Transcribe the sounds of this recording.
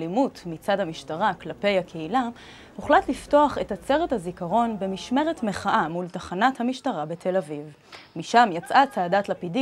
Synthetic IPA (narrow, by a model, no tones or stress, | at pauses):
limutmit͡sadamiʃtaʁaklape̞jakʰeila | uχlatlifto̞aχe̞that͡se̞ʁethazikaʁo̞nbe̞miʃme̞ʁetme̞χaʔamultaχanathamiʃtaʁabetʰe̞laviv | miʃamjat͡sʔat͡saːdatlapidi